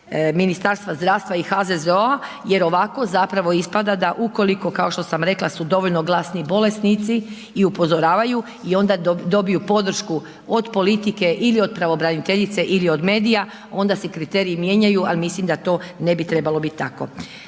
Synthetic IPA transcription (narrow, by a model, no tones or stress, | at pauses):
minist̪aɾst̪ʋazd̪ɾaːʋst̪ʋaixazezoa | je̞ɾo̞ʋako̞zapɾaʋo̞ispad̪ad̪aʔuko̞liko̞kao̞ʃt̪o̞samɾe̞klˠasud̪o̞ʋo̞ʎno̞ɡlasnibo̞le̞st̪nit̪si | iupo̞zo̞ɾaːʋaju | io̞nd̪ad̪o̞bijupo̞d̪r̩ʃku | o̞d̪po̞lit̪ike̞ʔilio̞d̪̚pɾaʋo̞bɾanit̪eʎit̪se̞ʔilio̞d̪me̞ːd̪ija | o̞nd̪asekɾit̪e̞ːɾijimje̞ːɲajualimislimd̪at̪o̞ːne̞bit̪ɾe̞balo̞bit̪ʲːt̪ako̞̰